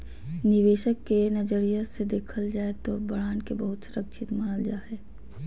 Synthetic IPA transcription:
nɪʋeːʃəkːenɐd͡ʒəɾijased̪eːkʰəld͡ʒaːet̪obɐɽaːnkebəɦʊt̪sɾəkt͡ʃʰɪt̪maːnəld͡ʒaːeː

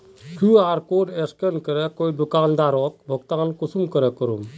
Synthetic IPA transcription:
kʰũaːɾkoɖeskenkəɾɛkoid̪ukaːnd̪aɾɔk̚bʱəɡt̪aːnkusumkəɾɛkəɾum

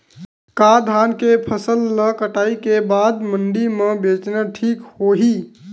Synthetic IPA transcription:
kad̪ʱankepʰəsəlːəkəʈaikebad̪məɳɖimebet͡ʃnəʈʰikhoɦi

